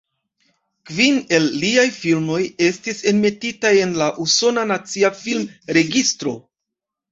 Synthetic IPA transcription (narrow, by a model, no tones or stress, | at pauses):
kvine̞lːiajfilmo̞je̞stise̞nme̞titaje̞nlaʔuso̞nanat͡siafilmɾe̞ɡistɾo̞̰